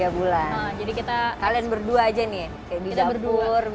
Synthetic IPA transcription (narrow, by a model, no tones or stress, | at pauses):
abulanəd͡ʒadikit̪akalianbərduaːd͡ʒani | kajadiɡ̪abərdur